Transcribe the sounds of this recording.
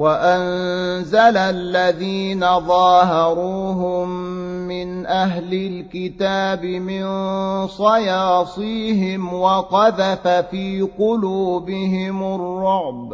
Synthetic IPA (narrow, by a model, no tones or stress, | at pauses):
waʔanzalalːaðiːnaðˤɑːhɑɾuːɦʊmːɪnʔaɦlɪlkɪt̪aːbɪmɪnsˤɑjɑːsˤiːɦɪmwɑqɑðafafiːqʊluːbɪhɪmʊrˤːʊʕb